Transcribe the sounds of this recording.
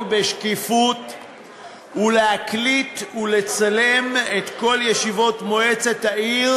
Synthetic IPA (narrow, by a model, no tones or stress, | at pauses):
beʃkifut | ulehaklitule̞t͡sale̞met̪ko̞ljeʃivo̞tmo̞e̞t͡se̞thaiʁ